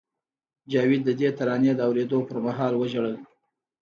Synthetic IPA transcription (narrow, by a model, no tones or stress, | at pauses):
d͡ʒɑwid̪̚ːəd̪et̪aɾɑnjed̪əawɾed̪opəɾmaɦɑlwəʒaɽəl